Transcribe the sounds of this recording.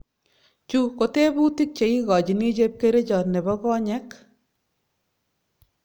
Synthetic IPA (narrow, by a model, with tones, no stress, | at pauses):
t͡ʃu˦ko˨te˦bu˦ti˦k̚t͡ʃe˨i˦kɔ˨t͡ʃi˨ni˦t͡ʃe˦p̚ke˦ɾe˦t͡ʃɔ˨tne˨bɔ˦kɔː˦ɲɛ˦k